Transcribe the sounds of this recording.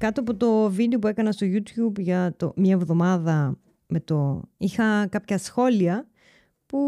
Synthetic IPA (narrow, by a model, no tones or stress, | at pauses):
kɐt̪oɐpot̪o̞vid̪eo̞pue̞kɐnɐst̪oʝut̪çubʝɐt̪o̰mɲɐevðo̞mɐðɐ | me̞t̪o̞ixɐkɐpçɐsxo̞liɐ | pu